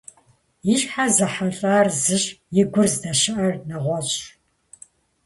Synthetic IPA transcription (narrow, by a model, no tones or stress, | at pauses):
jɪɕħazɐħaɬʼaːrzɨɕʼjɪɡʷʊrzdɐʃɪʔɐrnɐʁʷɔt͡ɕʼ